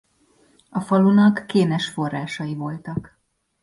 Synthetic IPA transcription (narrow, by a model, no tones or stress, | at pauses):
ɒfɒlunɒkːeːnɛʃfo̞rːaːʃɒjivo̞lt̪ɒk